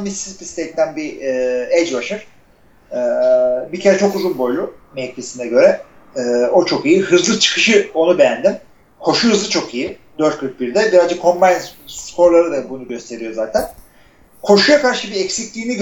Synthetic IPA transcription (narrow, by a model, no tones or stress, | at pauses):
misizpʰist̪et̪ʰːænbied͡ʒbaʃɯɾ̥ | ɛːbicʰe̞ɾɛt͡ʃʰokuzunbo̞jlʲˠu | mec̪ʰesind̪ɛɟø̞ɾɛ | ɛːo̞t͡ʃʰo̞kijiɦɯzlˠɯt͡ʃʰɯ̥kʰɯʃɯo̞nube̞jænd̪im | kʰo̞ʃuhɯzlˠɯt͡ʃʰo̞kʰijid̪øɾt̪̚kʰɯɾk̚biɾd̪ɛbiɾalzd͡ʒɛkʰo̞mbajnskʰo̞ɾlˠaɾɯd̪abunuɟø̞st̪ʰe̞ɾijo̞zaːt̪ʰæn | kʰo̞ʃujakaɾʃɯbiecsiclʲiːniɟ